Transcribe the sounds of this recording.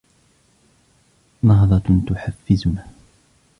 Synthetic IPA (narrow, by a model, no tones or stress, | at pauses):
nɑɦðˤɑt̪ʊħafːɪzmaː